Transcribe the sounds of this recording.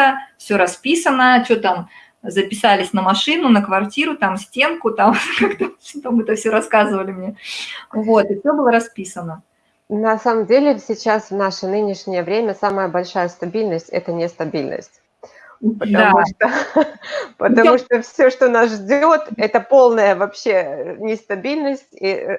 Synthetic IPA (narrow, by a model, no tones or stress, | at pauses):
əfsʲoɾɐspʲisənət͡ɕot̪am | zəpʲɪsalʲɪsʲnəmɐʂɨnʊnəkvɐrtʲiɾʊt̪amsʲtʲe̞nkʊt̪amkakt̪ət͡ɕot̪amɛt̪əfsʲoɾɐskazɨvəlʲɪmnʲevo̞t̪ɨfsʲobɨlˠəɾɐspʲisənə | nɐsaməmdʲelʲɪsʲɪt͡ɕasvnaʂənɨnʲɪʂnʲɪjəvɾʲemʲəsaməjəbɐlʲʂajəst̪ɐbʲilʲnəsʲtʲɛ̰t̪ənʲɪst̪ɐbʲilʲnə̰sʲtʲ | pətd̪ɐauʂt̪o | pət̪ɐmuʂt̪ofsʲoʂt̪onasʐdʲolt̪ɛt̪əpo̞lˠnəjəvɐpɕːe̞nʲɪst̪ɐbʲilʲnəsʲtʲi